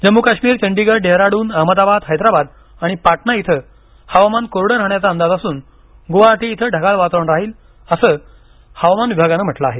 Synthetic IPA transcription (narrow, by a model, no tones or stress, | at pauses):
d͡ʑəmːukaɕmiːɾt͡ɕəɳɖiɡəɾɖeɦɾaɽuːnaɦməd̪abad̪ɦajd̪ɾabad̪̚ | aɽ̃ipaʈnait̪ʰə | haʋamankoɾɽəɾaɳjat͡saənd̪ad͡zasuːn | ɡoʋat̪ʰiːt̪ʰəɖʱəɡalʋat̪ɳɾaɦiːl | əsəː | həʋamanʋibʱaɡanəːm̤əʈlaaɦe